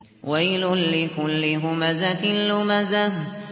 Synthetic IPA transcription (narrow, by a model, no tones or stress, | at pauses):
wajlʊnlɪkʊlːɪɦʊmazat̪ɪlːʊmaza